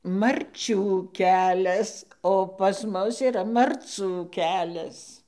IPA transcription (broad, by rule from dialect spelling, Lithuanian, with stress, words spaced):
mɐrʲˈt͡ʃʲuː ˈkʲæːlʲɛs oː pɐs ˈmʊs iːˈrɐ mɐrˈt͡suː ˈkʲæːlʲɛs